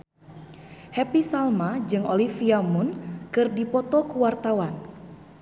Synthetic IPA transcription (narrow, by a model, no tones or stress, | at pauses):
hɛpisalmad͡ʒɨŋo̰lifiamunkɨrdipɔt̪ɔkuwart̪awan